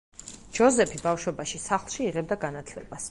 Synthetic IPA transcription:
d͡ʒ̥ɔzɛpʰibafʃwɛbaʃisaχlˠʃiːʁɛb̚d̪aɡanat̪ʰlɛb̥as

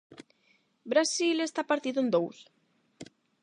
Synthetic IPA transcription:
bɾasilest̪apaɾt̪iðoend̪ows

